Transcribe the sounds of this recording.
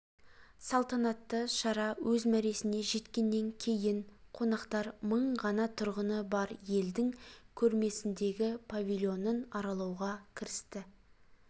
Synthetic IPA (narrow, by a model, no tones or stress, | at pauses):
sɑlˠt̪ɑnɑt̪ːəʃɑɾɑwʔɵzmæɾe̞sɪne̞ʒe̞t̪kʲe̞nːe̞ŋkʲʰe̞jɪɴqʰo̞nɑqt̪ɑɾməɴʁɑnɑt̪ʰʊɾʁənəbɑɾje̞ld̪ɪŋkʲʰɵɾme̞sɪnd̪e̞ɡʲɪpʰavʲilʲˠjo̞nənɑɾɑlˠɑwʁɑkʲʰɪɾɪst̪ɪ